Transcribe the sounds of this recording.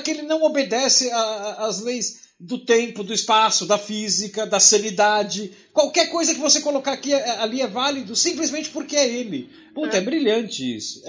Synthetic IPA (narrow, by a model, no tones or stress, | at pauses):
kɪelɪnɐ̃w̃obed̪ɛsɪaːzlejz | d̪ʊt̪ẽmpʊd̪ʊɪspasʊd̪ɐfizikɐd̪ɐsɐ̃nid̪ad͡ʒɪ | kwawkɛɾkojzɐkɪvosekolokaakiaɛaliɛvalid̪ʊsĩmplɪzmẽnt͡ʃɪ̥pʊɾkɪɛelɪ | put̪ɐɛbɾiʎɐ̃nt͡ʃɪḭsʊ̥